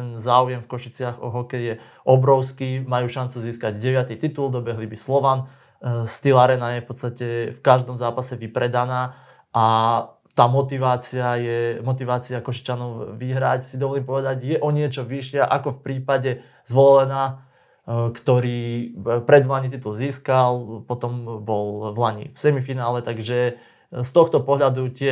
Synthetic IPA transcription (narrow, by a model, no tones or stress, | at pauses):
ɛnzaːujɛmfkɔʃit͡sɪaɣɔɦɔkɛjjɛ | ʔɔbɾɔʊskiːmajuːʃant͡suziːskaɟɟɛʋɪat̪it̪it̪uld̪ɔbɛɦlibislɔʋan | st̪ilaɾɛnajɛfpɔt̪t͡sst̪acɛfkaʒd̪ɔmzaːpasɛʋipɾɛd̪anaː | ʔa | t̪aːmɔt̪iʋaːt͡siajɛmɔt̪iʋaːt͡siakɔʃi̥t͡ʃanɔʊʋiɦɾacsid̪ɔʋɔliːmpɔʋɛd̪aɟjɛʔɔɲɪɛt͡ʃɔʋiʃɪaʔakɔfpɾiːpaɟɛ | zʋɔlɛlɛnaː | kt̪ɔɾiːpɾɛd̪ʋlaɲit̪̬it̪ulziːskalpɔt̪ɔmbɔlʋlaɲḭfsɛmifinaːlɛt̪aɡʒɛ | st̪ɔxt̪ɔpɔɦʎad̪ucɪɛ